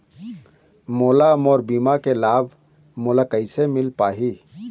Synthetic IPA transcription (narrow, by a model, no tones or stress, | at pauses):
moːlamɔːɾbiːmakelaːbʱ | moːlakəɪsemɪlpaːɦi